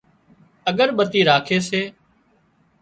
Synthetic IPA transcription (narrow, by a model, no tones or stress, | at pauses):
əɠəɾɓət̪iːɾaːkʰeːseː